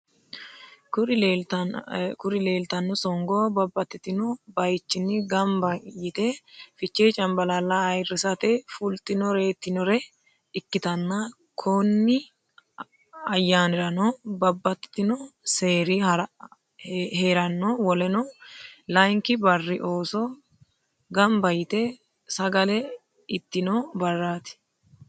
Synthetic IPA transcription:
kʊɾ | kʊɾɪle̞ːlt̪ɐnːɔsɔŋɡoːbɐbːɐt̪ːɪt̪ɪnɔbɐjt͡ʃːɪnːɪɡɐmbɐjɪt̪ɛfɪt͡ʃːeːt͡ʃʼɐmbɐlaːlːɐːjrːɪsɐt̪ɛfʊlt̪ɪnɔɾe̞ːt̪ːɪnɔɾɛ | ɪkːɪt̪ɐnːɐ | kʰonːɪ | ɐjːaːnɪɾɐnoːbɐbːɐt̪ːt̪ːɪnoseːɾɪhɐɾ | heːɾɐnːoːwɔlɛnɔlɐjŋkɪbɐrːɪʔo̞ːsɔ | ɡɐmbɐjɪt̪ɛ | sɐɡɐlɛ | ɪt̪ːɪnoːbɐrːaːt̪ɪ̥

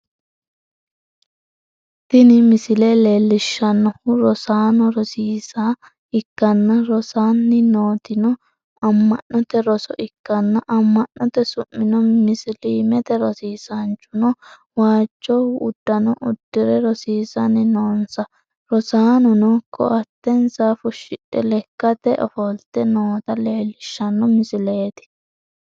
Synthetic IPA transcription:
t̪ɪnɪmɪsɪleleːlːɪʃːɐnːɔhʊɾɔsaːnɔɾɔsiːsa | ɪkːɐnːɐɾɔsaːnːɪnoːt̪ɪnɔ | ɐmːɐnːɔt̪ɛɾɔsɔʔɪkːɐnːɐʔɐmːɐnːɔt̪ɛsʊmːɪnɔmɪsɪliːmɛt̪ɛɾɔsiːsɐnt͡ʃːʊnɔ | waːt͡ʃːɔʊd̪ːɐnɔʔʊd̪ːɪɾɛɾɔsiːsɐnɪnoːnsɐ | ɾɔsaːnʊnɔkʰːɔ̰ɐt̪ːɛnsafʊʃɪᶑɛlɛkːɐt̪ɛʔɔ̰fɔlt̪ːɛnoːt̪ɐleːlːɪʃːɐnːɔmɪsɪleːt̪ɪ̥

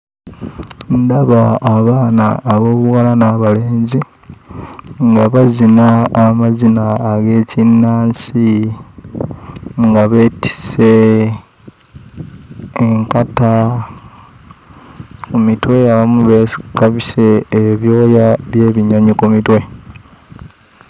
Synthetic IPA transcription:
ndaβaːβaːnaːβo̞ːβuwalanaβaleːɲzi | ŋɡaβazinaːmazinaːɡe̞ːcinːaːnsi | ŋɡaβe̞ːti̥se̞ | ŋkata | kumitwe̞aβamuβekaβiseːβjo̞ːjaβje̞ːβiɲaɲikumitwe̞

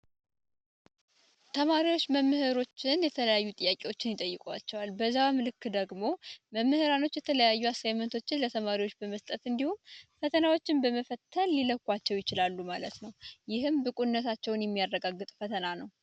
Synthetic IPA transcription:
t̪ʰəmaɾiwo̞t͡ʃːməmːɨhɨɾo̞t͡ʃːɪnjɛt̪ʰələjajːut̪ʼɨjːakʼewo̞t͡ʃːɪnjɪt̪ʼəjːɨkʼwat͡ʃːɛwalbəzːawmɨlɨkːd̪əɡmo̞məmːɨhɨɾano̞t͡ʃːjɛt̪ʰələjajːuasajmənt̪ʰo̞t͡ʃːɪnlət̪ʰəmaɾiwo̞t͡ʃːbəməst̪ʼət̪ɨnd̪ihumfət̪ʰənawo̞t͡ʃːɪnbəməfət̪ʰːənliləkʷʼːat͡ʃːɛwjɪt͡ʃɪlalːumalət̪nəwjɪhɨmbɨkʼunːət̪ʰat͡ʃːɛwnjɛmːijarːəɡaɡːɨt̪ʼfət̪ʰənanəw

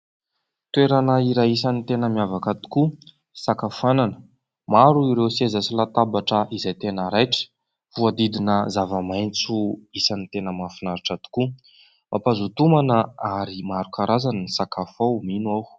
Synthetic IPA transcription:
t̪ueɾanəiɾaisanit̪enəmjavakat̪i̥ku | sakafananə | maɾuiɾewsezasilat̪abaʈ͡ʂəʔizajt̪enəɾajʈ͡ʂə̥ | vuad̪id̪inəzavəmajnt͡suisanit̪enəmafinaɾiʈ͡ʂat̪i̥ku | mapazut̪umanəaɾimaɾukaɾazanənisakafominuaw

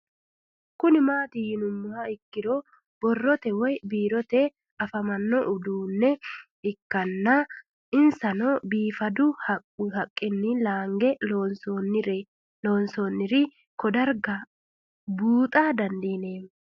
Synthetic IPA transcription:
kʊnɪmaːt̪ɪjɪnʊmːʊhɐɪkːɪd̪ɔ | b̥ɔrːɔt̪ɛwɔjbiːɾɔt̪ɛ | ɐfɐmɐnːɔʔʊd̪uːnːɛ | ɪkːɐnːɐ | ɪnsɐnɔbiːfɐd̪ʊhɐ | hɐkʼːɪnːɪlaːŋɡɛonsonɪɾɛ | loːnsɔnːɪɾɪ | kɔd̪ɐɾɡɐ | buːt̪ʼaːd̪ɐnd̪iːneːm

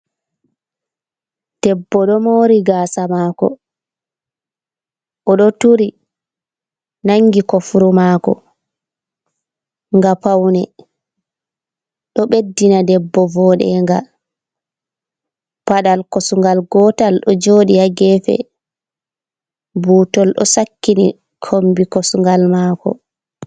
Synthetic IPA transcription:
d̥ɛbːɔɗɔmoɾiɡaːsamaːkɔ̰ | ʔɔɗɔtuɾi | naŋɡikɔfuɾumaːkɔ̰ | ŋɡapawnɛ | ɗɔɓedːinadɛbːɔvɔɗɛ̰ŋɡa | paɗalkosuŋɡalɡɔtalɗɔd͡ʒoːɗijaɡɛːfɛ̰ | buːtɔlɗɔ̰sakːini | kʰombikosuŋɡalmaːkɔ̰

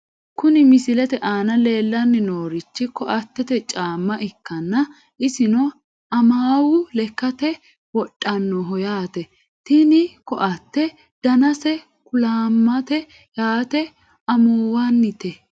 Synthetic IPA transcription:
kʊnɪmɪsɪlɛt̪ɛʔaːnɐle̞ːlːɐnːɪnoːɾɪt͡ʃːɪkɔʔɐt̪ːɛt̪ɛt͡ʃʼaːmːɐʔɪkːɐnːɐ | ɪsɪnɔ | ɐmaːwʊlɛkːɐt̪ɛ | wɔᶑʼːɐnːɔɦɔjaːt̪ɛ | t̪ɪnɪkɔʔɐt̪ːɛ | d̪̥ɐnɐsɛ | kʊlaːmːɐt̪ɛ | jaːt̪ɛ | ɐmoːwanːɪt̪ɛ

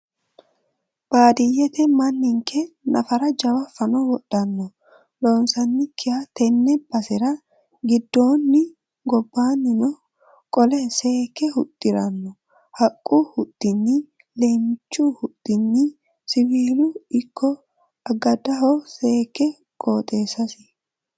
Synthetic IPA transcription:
b̥aːd̪ɪjɛt̪ɛmɐnːɪŋkʰɛnɐ̰fɐɾɐd͡ʒɐwɐfɐnɔwɔɗɐnːɔ | loːnsɐnːɪkʰːɪhɐt̪ɛnːɛb̥ɐsɪɾɐ | ɡɪd̪ːo̞ːnːɪ | ɡɔbːaːnːɪnɔ | kʼɔlɛseːkːɛhʊt̪ʼːɪɾɐnːɔ | hɐkʼːuhʊt̪ʼːɪnːɪ | leːmt͡ʃːʊhʊt̪ʼːɪnːɪ | sɪwiːlʊɪkʰːɔ | ɐɡɐd̪ɐɦɔseːkːɛ | kʼoːt̪ʼeːsɐsɪ̥

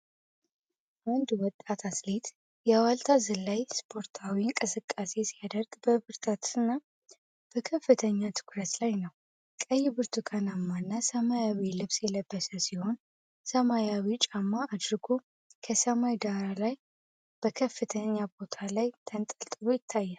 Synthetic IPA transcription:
ʔand̪wɔt̪ʼːat̪ʰaslet̪ | jɛwalt̪ʰazɨlːajspʰo̞ɾt̪ʰawiɨŋkʼɨsɨkʼːase̞sijad̪əɾɡbəβɨɾt̪ʰət̪ɨnːa | b̥əkʰəfːɨt̪ʰəɲːat̪ʰɨ̥kʰɾət̪lajnəw | kʼəjːɪbɨɾt̪ʰukʰanamːanːasəmajawilɨβsjɛləbːəsəsiho̞n | səmajawit͡ʃʼamːaʔːd̪ɾɨɡo̞ | kʰəsəmajd̪aɾalaj | b̥əkʰəfːɨt̪ʰəɲːabo̞t̪ʰalajt̪ʰənt̪ʼəlt̪ʼɨlojɪt̪ʰːajːɛn

